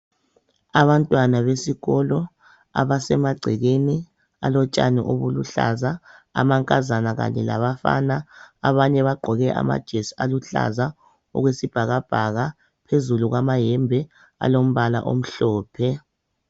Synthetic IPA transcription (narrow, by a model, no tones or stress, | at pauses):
aβantʼwanaβesiɣɔlɔ | a̰βasɛmaɡ͡ǀʱɛɣeni | a̰lɔt͡ʃʼa̰nɛ̰ʔoβulṵɬa̰za̰ːmaŋkʼazanaɣa̰ɲɛla̰βafa̰naːβaɲɛβaɡ͡ǃʱɔɣɛʔa̰ma̰d̥ʒ̥ʱesialuɬa̰za | ɔ̰ɣwesib̥ʱaɣab̥ʱaɣa | pʰezuluɣwamajɛmbʱɛ | a̰lom̩βala̰ʔo̰m̩ɬɔːpʰɛ